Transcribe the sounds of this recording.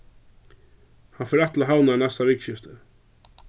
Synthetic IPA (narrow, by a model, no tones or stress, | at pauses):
hanfɛɾɛt̪laɦawnaanɛst̪avɪkʃɪft̪ɪ